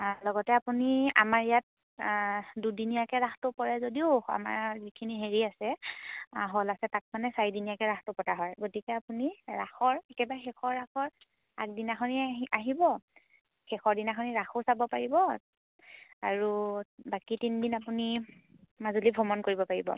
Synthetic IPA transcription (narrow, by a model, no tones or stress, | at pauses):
lɔɡɔtɛapunia̰maɹijat̚ | dudinijakɛɹaxʰtʊpɔɹɛzodiʊa̰ma̰ɹzikʰiniɦeɹiasɛ | ɦolasɛtak̚manɛsaɹidinijakɛɹaxʰtɔpɔtaɦɔjɡotikɛapuniɹaxɔɹɛkɛbaxɛkɔɹːakʰɔɹ | a̰k̚dinaxʰɔniaɦibɔ | xɛxʰɔɹdinaxʰɔniɹaxʰosabɔpaɹibɔ | aɹubakitindinapuni | mazulibʱɔmɔnkoɹibɔpaɹibɔ̰